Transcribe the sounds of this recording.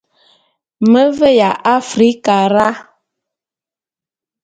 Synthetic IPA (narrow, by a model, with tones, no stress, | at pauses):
mə˦və˦ja˨ʔa˦fɾi˦ka˨ɾa˦